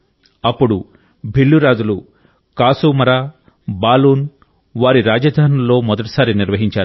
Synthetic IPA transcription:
ɐpːuɽu | bʱilːuɾaːd͡ʒulu | kaːsuːmɐɾaː | baːluːn | ʋaːɾiɾaːd͡ʒɐd̪ʱaːnullːo̞ːmɔd̪ɐʈi̥saːɾiniɾʋɐɦiɲt͡ʃaːɾu

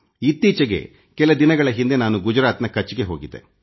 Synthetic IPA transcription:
it̪ːiːt͡ʃɐɡe̞̰ | kɛlɐd̪inɐɡɐɭɐɦind̪e̞naːnuɡud͡ʒɾaːt̪nɐkɐt͡ʃːiɡe̞ɦo̞ːɡid̪e̞̰

